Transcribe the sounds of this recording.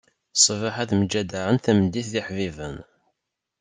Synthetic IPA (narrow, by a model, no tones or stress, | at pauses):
sˤvaħaθmd͡ʒæd̪aɾənθæmd̪ːiθðɪħvivən